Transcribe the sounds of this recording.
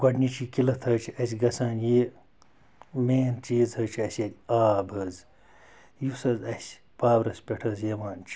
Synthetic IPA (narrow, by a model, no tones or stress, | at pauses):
ɡʷɐɖnit͡ʃʰiːkilɐt̪ʰɐːt͡ʃʰiɐs̬ʲɡɐsaːnjeː | meːnt͡ʃiːzhɐːt͡ʃʰɐsʲɐd̪ʲiaːbʱɐːz | jusɐzɐsʲ | paːwɾɐspʲeʈʰɐːzjeʋaːnt͡ʃʰi̥